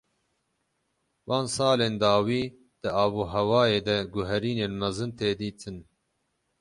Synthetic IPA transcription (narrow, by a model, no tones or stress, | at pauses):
wɑːnsɑːleːnd̪ɑːwiː | d̪̥ɨɑːboːɦɛwɑːjeːd̪ɛɡʊɦɛɾiːneːnmɐzɨnt̪eːd̪iːt̪ʰɨn